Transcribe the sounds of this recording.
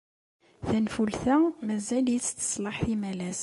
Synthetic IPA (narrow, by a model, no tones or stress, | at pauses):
θænfulθæmæzæljit͡sːt̪ːə̥sˤlɑħθimælæz